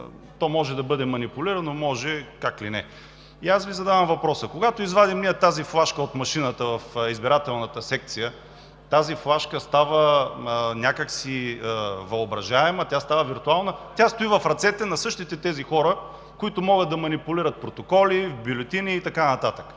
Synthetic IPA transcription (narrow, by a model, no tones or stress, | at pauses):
t̪ɔmɔʒɛd̪ɐbɤd̪ɛmɐnipʊliɾənomɔʒɛkaklinɛ̰ | iasvizɐd̪avəmvɐpɾɔsəkoɡat̪oizvad̪imniət̪aziflˠaʃkəot̪mɐʃinət̪əvɐfizbiɾat̪ɛlˠnət̪əsɛk̚t̪sijə | t̪aziflˠaʃkəst̪avə | nʲakəksi | vɐobɾɐʒaɛmət̪ʲjast̪avəviɾt̪ualˠnət̪ʲast̪ʊivɐfɾɐt̪sɛt̪ɛnɐsɤʃt̪it̪ɛt̪ɛzixɔɾə | kʊit̪ʊmɔɡəd̪d̪ɐmɐnipʊliɾət̪̚pɾot̪okɔlivbilɛt̪iniːt̪ɐkanɐt̪at̪ək